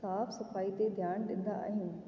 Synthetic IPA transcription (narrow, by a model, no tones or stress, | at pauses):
aːfsɐfaːit̪ed̪ʱjaːñɗɪ̃nd̪a̰a̰ːɦɪnɪ̆